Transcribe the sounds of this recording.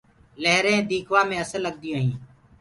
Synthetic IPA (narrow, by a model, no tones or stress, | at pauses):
leɦɾẽːd̪iːkʰʋaːmẽːəsəlːəɡ̚d̪ɪjõːɦĩː